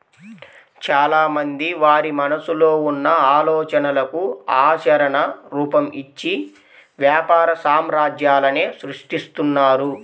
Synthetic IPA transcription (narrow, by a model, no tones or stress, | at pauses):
t͡ʃaːlaːmɐnd̪iʋaːɾimɐnɐsuloːunːɐaːlɔːt͡ʃɐnɐlɐkuaːt͡ʃɐɾɐɳɐɾuːpɐmit͡ʃːi | ʋjaːpaːɾɐsaːmɾaːd͡ʒjaːlɐne̞ːsɾuʂʈist̪unːaːɾu